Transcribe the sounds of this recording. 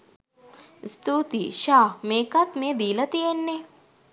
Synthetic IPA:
st̪uːt̪iʃaːmeːkat̪meːd̪iːlɐt̪ienːe

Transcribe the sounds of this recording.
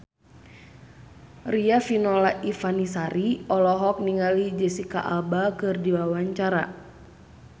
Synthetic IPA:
riafinɔlaʔifanisaɾiɔlɔɦɔk̚niŋalid͡ʒɛsika̰ʔalbakɨrdiwawaɲt͡ʃaɾa̰

